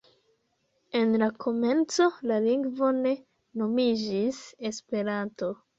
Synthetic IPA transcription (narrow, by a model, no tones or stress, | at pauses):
e̞nlakʰo̞me̞nt͡so̞laliŋɡvo̞ne̞ | no̞mid͡ʒise̞spe̞ɾanto̞